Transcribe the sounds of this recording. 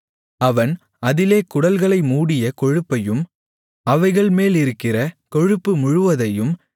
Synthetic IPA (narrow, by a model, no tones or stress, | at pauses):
ɐʋɐn | ɐðɪleːkʊɽɐlɣɐɭɐɪmuːɽɪjɐkɔɻɯpːɐjɯm | ɐʋɐɪɣɐɭmeːlɪɾɯkːɪrɐkɔɻɯpːɯmʊɻʊʋɐðɐjɯm